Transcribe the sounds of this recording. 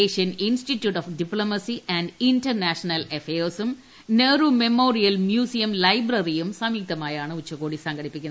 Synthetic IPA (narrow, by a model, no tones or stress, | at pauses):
eːʂijɐninsʈitjuːʈofɖiploːmɐsiɐnɖintɐrnaːʂɐnɐlefeːrsum | neːrume̞moːrijɐlmjuːsijɐmlɐjbrɐrijumsɐmik̚t̪ɐmaːjaːɳɨut͡ɕːɐɣoːɽisɐŋɡɐɽipːikʲːunːɐ